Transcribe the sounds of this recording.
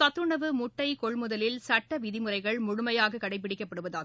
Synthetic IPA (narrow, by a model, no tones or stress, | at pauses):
sɐt̪ːɯɳɐʋɯmʊʈːɐɪkɔɭmʊðɐlɪlsɐʈːɐʋɪðɪmɯrɐɪɣɐɭmʊɻʊmɐjaːɣɐkːɐɽɐɪp̬ːɪɽɪkːɐpːɐɽɯʋɐðaː